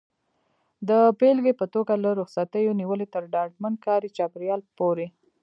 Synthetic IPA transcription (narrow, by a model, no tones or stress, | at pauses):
d̪əpelɡepət̪oɡalaɾʊxsat̪əjoniwəlet̪əɾɖɑɖmankɑɾit͡ʃɑpɾjɑlpoɾe